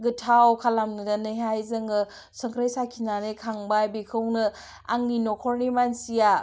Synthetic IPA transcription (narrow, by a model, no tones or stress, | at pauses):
ɡɯtʰawkʰalamnɯdanɯɦajzɯŋɯ | sɐŋkʰɾajsakʰinanekʰaŋbajbikʰɯwnɯ | a̰ŋinɔkʰɔɾnimansija